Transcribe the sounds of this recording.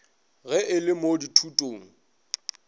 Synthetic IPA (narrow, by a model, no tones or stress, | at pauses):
ɣɛʔɪlɪmoditʰutʼoːŋ̩